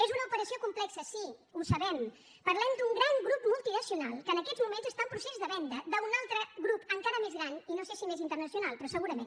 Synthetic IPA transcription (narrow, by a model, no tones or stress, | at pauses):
ezunəupəɾəsiokumplɛksəsi | usəβɛm | pəɾlɛmd̪uŋɡɾaŋɡɾupmulˠt̪inəsiunalˠkənəkɛzmumenzəst̪aumpɾusezðəβɛnd̪əd̪əunalˠt̪ɾəɣɾupəŋkaɾəmezɣɾaninosesimezint̪ərnəsiunalˠpɾɔsəɣuɾəmen